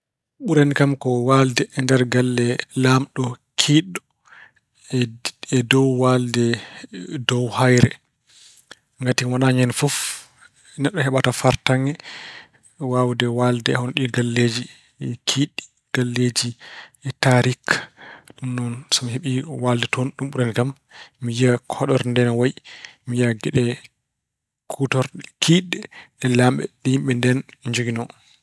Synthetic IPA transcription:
ɓuɾanikamkɔwaldɛʔːndɛɾɡalːɛlamɗɔkʰiɗɔ | ɛdɔwwaldɛ | dɔwhajɾɛ̰ | ŋɡatiwanaɲɛnfɔf | nɛɗːɔhɛɓatafaɾtaŋɡɛ | wawdɛwaldɛɛhɔnɔɗiɡalːed͡ʒi | kʰiɗi | ɡ̥alːed͡ʒiɛtaɾikɗumnɔnsɔmiɦeɓiwaldɛtʰɔnɗumɓuɾanɡamː | ijakʰɔɗɔɾndɛnwajimijaɡɛɗɛ | kʰutɔɾɗkʰiɗɛɗɛlamɓɛ̰ɗihimɓɛndɛnɲd͡ʒoɡinɔ

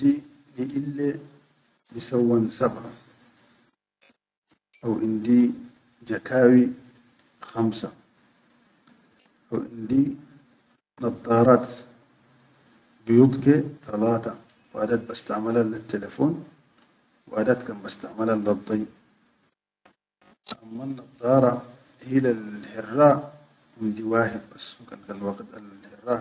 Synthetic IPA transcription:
d̪i | niʔilːe | nisawːansabʕa | ʔawʔind̪i | d͡ʒakaːwi | xamsa | ʔawʔḭnd̪i | nɑb̪ˤɑːɾˤɑt̪ | bijut̪ˤket̪ɑlɑːt̪ɑ | wʔa̰d̪at̪̚bast̪aʕmalalat̪ːelefoːn | w̰ʔad̪at̪kanbast̪aʕmalalːɑbd̪ˤɑj | ʔamːanːɑd̪ˤːɑːɾˤɑ | hilalhɪrːaː | ʔɪnd̪iwaːħɪd̪̚basːkankanwaqit̪a̰llħɪrːa

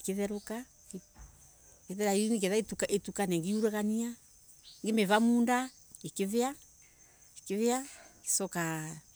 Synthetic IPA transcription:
keðɛɾuka | k | keðɛɾainik̬ɛðaetukaʔetukanɛŋɡiuɾeɣania | ŋɡemɛβamuːnda | ekeðea | ekeðeaki̥sɔka

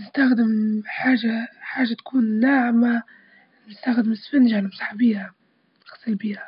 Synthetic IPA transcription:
nɪst̪axd̪ɪmħaːʒaħaːʒat̪kʰuːnːaʕma | nɪst̪axd̪ɪmɪsfɪnʒanmsˤḁħbiːha | nxɑ̥sˤːəlbiːha

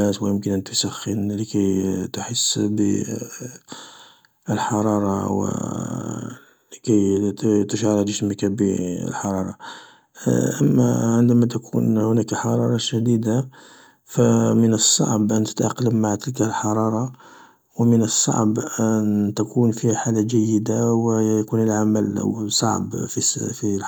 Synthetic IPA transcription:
æswəjəmkənʔænt̪usæxːənləkæjt̪ħəsːbə̰ | əlħɑɾˤɑɾˤɑwə̰ | ləkæjt̪ʃɑɾˤɑəsməkæbəə̰lħɑɾˤɑɾˤɑ̰ | ʔəmːæ̰ʕənd̪æmæt̪̬ækʰṵnhʊnækħɑɾˤɑɾˤɑʃæd̪id̪a | fæmənəsˤːɑ̰ʕbʔənt̪ə̥t̪ʔɑqːləmːaʕt̪əlkælħɑɾˤɑɾˤɑ | wəmənəsˤːɑ̰ʕbʔænt̪ækunfihaħalaʒæjːəd̪awəjkunəlʕaməl̰sˤɑ̰ʕbfisfil

